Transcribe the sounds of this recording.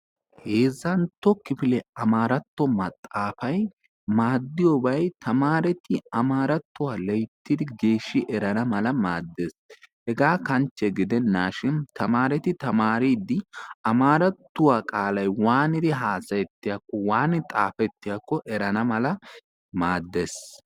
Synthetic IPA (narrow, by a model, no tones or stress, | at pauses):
he̞ːzɐnt̪ːɔkɪfɪlɛɐmaːɾɐt̪ːɔmɐt̪ʼːaːfɐj | maːd̪ːɪjɔːbɐjt̪ɐmaːɾɛt̪ɪɐmaːɾɐt̪ːʊwaːlɛjt̪ːɪd̪ɪɡe̞ːʃːɪʔɛɾɐnɐmɐlɐmaːd̪ːe̞ːshɛɡaːkɐnt͡ʃːɛɡɪd̪ɛnːaːʃɪnt̪ɐmaːɾɛt̪ɪt̪ɐmaːɾiːd̪ːɪɐmaːɾɐt̪ːʊwaːkʼaːlɐjwaːnɪd̪ɪɦaːsɐjɛt̪ːɪjakːɔwaːnɪt̪ʼaːfɛt̪ːɪjakːɔʔɛɾɐnɐmɐlɐ | maːd̪ːeːs